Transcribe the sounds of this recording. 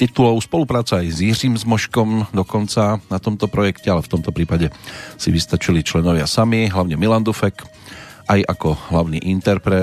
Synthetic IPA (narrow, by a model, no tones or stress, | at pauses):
t̪it̪ulɔʊspɔlupɾaːt͡saːjzjiriːmzmɔʃkɔmd̪ɔkɔnt͡sanat̪ɔmt̪ɔpɾɔjɛkcɛalɛft̪ɔmt̪ɔpɾiːpaɟɛsiʋist̪at͡ʃilit͡ʃlɛnɔʋɪasamiɦlaʊɲɛmiland̪ufɛk | ʔajʔakɔɦlaʊniːʔint̪ɛɾpɾɛ